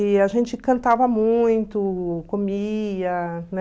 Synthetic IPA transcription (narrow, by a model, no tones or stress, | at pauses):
ɪaʒẽnt͡ʃɪkɐ̃nt̪avɐmũj̃t̪ʊkomid̪ɐnɛ